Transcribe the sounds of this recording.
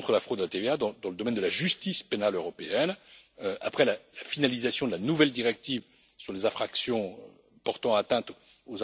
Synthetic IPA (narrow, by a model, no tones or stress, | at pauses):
t̪χəlafχod̪ːəlat̪evead̪ɑ̃d̪ɑ̃ləd̪ɔmɛnd̪əlaʒyst̪ispenaløʁɔpeɛnøa̰pχɛlalafinalizasjɔ̃d̪əlanuvɛld̪iʁɛk̚t̪iv | syʁlezɛ̃fχaksjɔ̃ø | pɔʁt̪ɑ̃at̪ɛ̃t̪ | oz